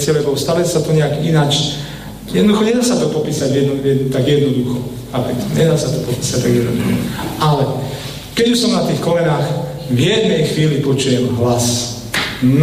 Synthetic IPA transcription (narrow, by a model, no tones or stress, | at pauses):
t͡sɪɛlɛbɔʊst̪aʋɛsat̪ɔɲɛaɡinat͡ʃ | jɛd̪nɔd̪uxɔɲɛd̪aːsat̪ɔpɔpiːsaɟjɛd̪nɔjɛt̪aɡjɛd̪nɔd̪uxɔ | apɛt̪ɲɛd̪aːsat̪ɔpɔpiːsac̚t̪aɡjɛd̪nɔd̪uxɔ̰alɛ | kɛɟuʃsɔmnat̪iːxkɔlɛnaːx | vjɛd̪nɛjxʋiːlipɔt͡ʃujɛmɦlas | n